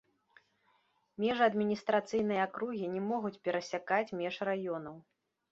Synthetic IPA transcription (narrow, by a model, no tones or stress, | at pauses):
mʲɛʐɐɐd̪mʲinʲist̪ɾat̪sɨjn̪ɨjɐːkɾuɣʲinʲɛmɔɣut͡sʲpʲɛɾɐsʲakat͡sʲmʲɛʂrajɔnɐw